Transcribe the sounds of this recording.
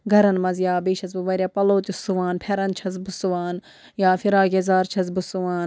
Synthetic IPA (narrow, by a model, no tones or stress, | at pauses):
ɡʱɐɾɐnmɐzjaːbeːʃʰɐzbɨʋɐɾʲjaːpɐloːt̪ʲusuʋaːnpʰeɾɐnt͡ʃʰɐzbɨsuʋaːn | jaːfiɾaːɡezaːɾt͡ʃʰɐzbɨsuʋaːn